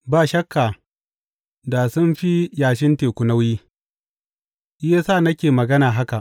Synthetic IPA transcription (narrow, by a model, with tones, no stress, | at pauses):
baː˦˨ʃɐ˦kːaː˨ | da˨sʊ˦nɸi˦jaː˨ʃ̬ɪ˦nteː˨kʷʊ˨na˦wjiː˦ | je˦saː˦˨nɐ˦kʲeː˨mɐ˨ɡɐ˦naː˨ɦa˦ka˨ʔ